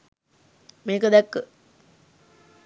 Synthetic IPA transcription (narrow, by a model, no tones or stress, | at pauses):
meːkəd̪ɛkːə